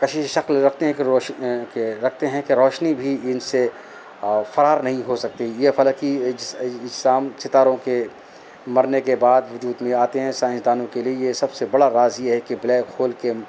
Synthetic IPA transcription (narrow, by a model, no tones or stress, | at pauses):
kɐt͡ʃʰiʃɐklɾɐkʰt̪eɦɛ̃kekeɾɐkʰt̪eɦɛ̃keɾɔːʃnibʱiɪnse | fɐɾaːɾnɐɦĩɦosɐk̚t̪ijefɐləki | ɪd͡ʒsaːmt͡ʃɪt̪aːɾõke | mɐɾnekebaːd̪ʋʊd͡ʒuːd̪mẽaːt̪eɦɛ̃sãːɪ̃ʃd̪aːnõkeliejesɐbsebɐɽaɾaːziɦɛkeblɛːkhoːlke